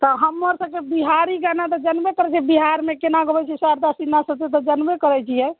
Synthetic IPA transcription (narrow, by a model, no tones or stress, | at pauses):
t̪ɔɦəmːəɾsəb̚kebiɦaɾiɡanat̪ɔd͡ʒənbekəɾɛt͡ʃʰiɛbiɦaɾmekenaɡəbɛt͡ʃʰɛsaɾd̪asinːasət̪et̪ɔd͡ʒənbekəɾɛt͡ʃʰijɛ